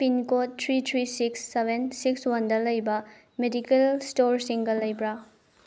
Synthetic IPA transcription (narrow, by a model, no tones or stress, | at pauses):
pinkotʰːɾitʰɾisiksːebʱensikswɐndɐlɐjbɐ | medikelstoɾsiŋɡɐlɐjbɾa